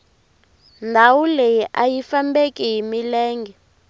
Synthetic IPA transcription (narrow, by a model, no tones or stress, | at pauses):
ndʱawulejiʔajifambekʼiɦimilɛːŋɡɛ